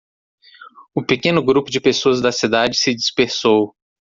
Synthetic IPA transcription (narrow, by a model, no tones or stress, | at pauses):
ʊpekẽnʊɡɾupʊd͡ʒɪpesoɐzd̪ɐsid̪ad͡ʒɪsɪd͡ʒispeɾsow